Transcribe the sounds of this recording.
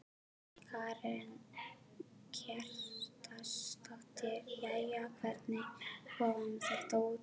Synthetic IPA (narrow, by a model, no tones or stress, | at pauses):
kʰaɾɛn | cʰɛr̥t̪ast̪aht̪ɪɾjajjakʰvɛɾt̪nɪkʰɔɣanθɛht̪auːt̪